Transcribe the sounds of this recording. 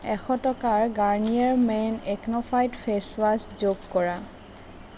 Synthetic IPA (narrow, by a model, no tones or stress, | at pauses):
ɛxʰɔtɔkaɹɡaɹnijaɹmɛneknɔfʰajtfʰeswaszoɡkɔɹa